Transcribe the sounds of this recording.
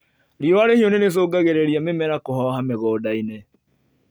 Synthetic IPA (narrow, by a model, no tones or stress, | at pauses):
ɾiwaɾehionenes̬oːɡaɣeɾɛɾiamemɛɾakohɔɦameɣɔːdaine